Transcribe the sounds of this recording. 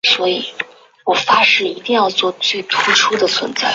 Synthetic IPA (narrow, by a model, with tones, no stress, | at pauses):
swɔ˧˥i˨˩˦ | wɔ˨˩fa˥ʂɻ̩˥˩i˧˥t̪i˥˧ŋjɑ˥˧ʊt͡swɔ˥˧t͡si˥˩t̪ʰu˥ʈ͡ʂʰu˥d̪ə˨t͡sʰwə˧˥nt͡sa˥˩ɪ